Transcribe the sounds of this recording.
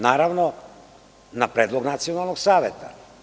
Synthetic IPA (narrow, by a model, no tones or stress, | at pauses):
naːɾaʋno | napɾeːd̪lˠoɡnat̪sijonalˠnoɡsaːʋet̪ʰa̰